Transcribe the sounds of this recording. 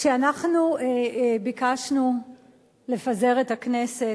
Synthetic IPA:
ʃeanaχnuebikaʃnu | le̞faze̞ʁetaknese

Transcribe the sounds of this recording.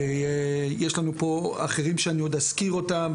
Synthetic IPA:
jeʃlanupo̞a̰χeʁimʃeanio̞d̪askiʁo̞tam

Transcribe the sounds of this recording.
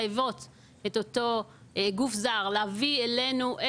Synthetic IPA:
evo̞t̪ | et̪ot̪oɡufzaʁleavielenuʔe

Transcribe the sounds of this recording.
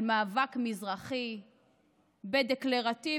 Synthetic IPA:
maːvakmizʁaχi | bed̪ekleʁat̪i

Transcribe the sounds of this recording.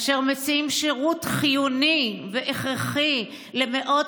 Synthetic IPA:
ʃeʁmet͡siimʃeʁutχijuniveʔeχʁeχi | le̞meʔo̞

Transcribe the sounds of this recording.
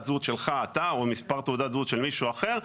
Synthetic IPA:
t̪zut̪ʃelχaːt̪aomispaʁt̪uːd̪atzut̪ʃelmiʃuaχe̞ʁ

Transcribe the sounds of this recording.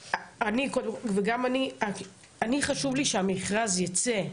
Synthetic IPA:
anikodemveɡamania | aniχaʃuvliʃeamiχʁazjat͡se̞

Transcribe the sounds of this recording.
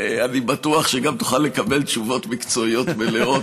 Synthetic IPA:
eanibatuaχʃeɡamt̪uχalːe̞kabe̞lt̪ʃuvo̞t̪mikt͡so̞io̞t̪beleo̞t

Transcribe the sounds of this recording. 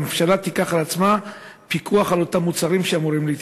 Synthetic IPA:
mefʃalat̪ikaχalat͡sma | pikʰuaχalo̞tamːut͡saʁimʃeamuʁimliːt

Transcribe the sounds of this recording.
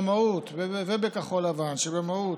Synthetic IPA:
maut̪vevebekaχo̞lavanʃebemau

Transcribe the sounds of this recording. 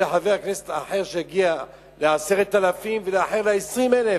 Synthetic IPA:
eħaveaknese̥t̪aħeʁʃehaɡia | leaseʁet̪ːalafimveleaħeʁleesʁimele

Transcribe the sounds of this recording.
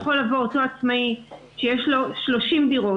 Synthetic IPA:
χolavooto̞at͡smai | ʃejeʃlo̞ʃlo̞ʃimdiʁo̞

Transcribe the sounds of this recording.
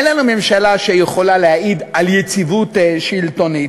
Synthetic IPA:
enlanume̞mʃalaʃejeχo̞laleaʔid̪aljet͡sivut̪ʃilt̪oni

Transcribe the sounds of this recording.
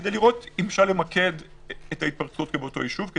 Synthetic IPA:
ed̪ejliʁo̞t̪imfʃaʁle̞mɐkʰe̞d̪ | et̪ait̚pɐʁt͡su̥otkebeoto̞jiʃuvke

